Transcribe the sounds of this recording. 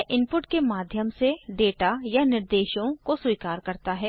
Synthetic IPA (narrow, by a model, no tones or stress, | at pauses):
ʔɪ̃mpʊʈkemaːd̪ʱjəmseɖeːʈajanɪɾd̪eːʃõkoswiːkaːɾkɐɾt̪aɦɛː